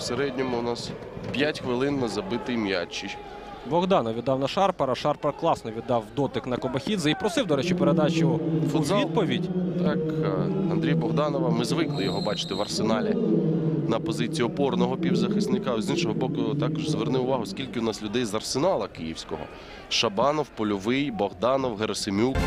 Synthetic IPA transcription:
seɾɛdʲnʲɔmʊʊnɑs | pʲjatʲxʋɪlˠɪnmɪzɐbɪt̪ɪjmja̰t͡ʃːij | bɔɣd̪ɑnɔʋʲid̪ːɑwnɐʃɑrpɐɾɐʃɑrpɐɾklˠɑsnɔʋʲid̪ːɑwd̪ɔt̪ɪknɐkɔbɐxʲid̪zɐipɾɔsɪwd̪ɔɾɛt͡ʃɪpeɾed̪ɑt͡ʃʊfʊzild̪pɔʋʲidʲt̪ɑkɐnd̪ɾʲijɐbɔɣd̪ɑnɔʋɐmɪzʋɪklˠɪjɔɦɔbɑt͡ʃɪ̥t̪ɪʋɐrsenɑlʲɪ | nɐpɔzɪt͡sʲijiɔpɔrnɔɦɔpʲiwzɐxɪsnɪkɑzʲinʃɔɦɔbɔkʊt̪ɑkɔʒzʋernɪʊʋɑɦʊskʲilʲkɪʊnɑslʲʊd̪ɛjzɐrsenɑlˠɐkɪjiwsʲkɔɦɔ̰ | ʃɐbɑnɔwpɔlʲʊʋɪjbɔɣd̪ɑnɔwɦeɾɔsɪmʲuk

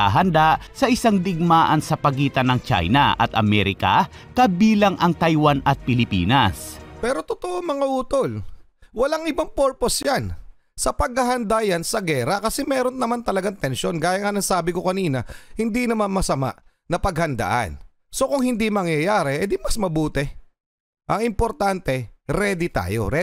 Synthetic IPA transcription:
aɦɐnd̪aʔsɐʔɪsaŋd̪ɪɡ̚maːʔɐnsɐpɐɡiːt̪ɐnɐŋt͡ʃa̰jnɐ̰ʔɐ̰t̪ʔɐmɛɾɪka̰kɐbiːlɐŋʔɐŋt̪ajwanɐt̪̚pɪlɪpḭːnɐspɛːɾo̞t̪ot̪oʔomɐŋaʔuːt̪o̞l | wɐlaŋɪbaŋpoɹpo̞sjan | sɐpɐɡ̚ɐɦɐnd̪ajansɐɡɛɾɐkɐsɛmɛːɾo̞nːɐmant̪ɐlɐɡaŋt̪ɛnʃo̞nɡaːjɐŋɐnɐsaːbɪko̞kɐniːnɐhɪnd̪inɐmanmɐsɐma̰ʔ | nɐpɐɡ̚hɐnd̪a̰ːʔa̰n | so̞kʊŋhɪnd̪imɐŋjɐjaːɾɛʔɐd̪ɪnmɐsmɐbuːt̪ɛ | ʔɐŋɪmpo̞ɾt̪ant̪ɛɾɛːd̪it̪a̰ːjo̞̰ɾɛ

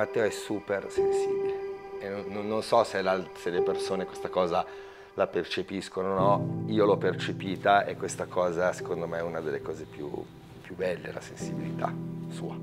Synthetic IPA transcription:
mat̪ːɛːoɛsuːpersensiːbileenonːonːonsɔselalselepersoːnekwest̪akɔːza | lapert͡ʃepiskononɔiːolɔpːert͡ʃepiːt̪aʔɛkːwest̪akʰɔːzase̥kond̪omeɛunad̪elːekɔːzepjṵ | pːjubɛlːela̰sensibilit̪ʰa̰sṵːa

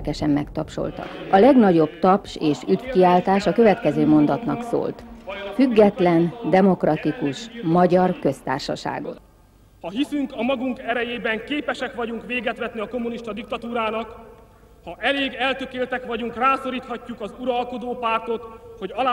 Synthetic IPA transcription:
kɛʃɛmːɛkt̪ɒpʃo̞̰lt̪ɒ̰kɒlɛɡnɒɟo̞bt̪ɒpʃeːʃyd̪fkiaːlt̪aːʃɒkø̞vɛt̪kɛzøːmo̞nd̪ɒt̪nɒ̰kso̰ːlt̪fyɡːɛt̪lɛnd̪ɛmo̞krɒt̪ikuʃmɒɟɒrkø̞st̪a̰ːrʃɒ̰ʃa̰ːɡo̞̰t̪ | hɒɦisyŋkɒmɒɡuŋkɛɾɛjeːbɛŋkeːpɛʃɛkʋɒɟuŋkʋeːɡɛt̪ʋɛt̪niɒko̞mːuniʃt̪ɒd̪ik̚t̪ɒt̪uːɾaːnɒk | hɒʔɛleːɡɛlt̪økeːlt̪ɛkʋɒɟuŋkraːso̞ɾiːt̪hɒcːukɒzuɾɒlko̞d̪oːpaːrt̪o̞t̪ho̞ɟɒlː

